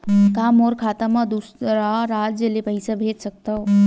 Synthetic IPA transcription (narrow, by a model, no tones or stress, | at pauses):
kaːmoːɾkʰaːt̪amãd̪uːsɾaɾaːd͡ʒd͡ʑelepɐisabʱeːd͡ʒsɐk̚t̪a